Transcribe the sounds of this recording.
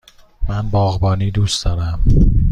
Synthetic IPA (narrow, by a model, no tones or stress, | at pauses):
mænbɒːɣbɒːniːd̪uːsd̪̥ɒːɾæm